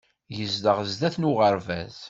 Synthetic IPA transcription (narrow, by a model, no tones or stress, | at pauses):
jəzd̪əʁəzd̪æθnʊʁəɾvæ̰z̥